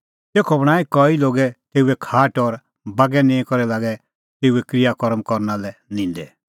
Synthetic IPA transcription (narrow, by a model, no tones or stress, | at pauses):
t̪eːkʰɔbɽ̃aːikɔiloːɡɛt̪eːuɛkʰaːʈɔɾ | baɡɛnɛ̃ĩkɔɾɛlaːɡɛ | t̪eːuɛkɾɪjakɔɾəmkɔɾnalɛnɪ̃ːnd̪ɛ